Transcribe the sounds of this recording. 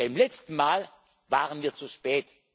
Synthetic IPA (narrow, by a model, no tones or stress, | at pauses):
aɪmlɛt͡stn̩maːl | vaːʁənviːɐt͡suʃpɛːt